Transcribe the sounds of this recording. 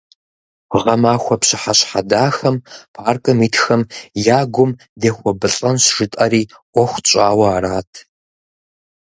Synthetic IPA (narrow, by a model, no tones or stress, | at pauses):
ʁɐmaːxʷɔpɕɪħaɕħadaːxɐmpʰaːrkʼɨmiːtxɐmjaːɡʷʊm | deːxʷɔbɨɬʼɐnɕʒ̥ɨtʼɐɾiː | ʔʷɔxʷt͡ʃʼaːwɐaːɾaːtʰ